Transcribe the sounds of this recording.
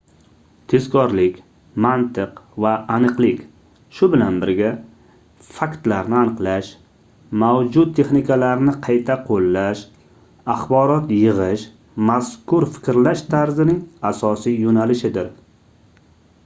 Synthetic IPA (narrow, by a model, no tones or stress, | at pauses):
t̪ʰe̞zkʰɒɾlɪkʲ | mant̪ʰɨqvaːnɨqlɪkʲ | ʃʊbɪlanbɪɾɡʲa | fakt̪laɾnɪanɨqlˠaʃ | mawd͡ʒʊd̪̚ʰːe̞χnɪkʰalaɾnɪqʰɑjt̪ʰaqʰolːaʃ | aχbɒɾɒt̪jɨʁɨʃ | maskʊɾfɪ̥kʲɾlaʃt̪ʰaɾzɪnɪŋasɒsijjonalɪʃɪd̪ɪɾ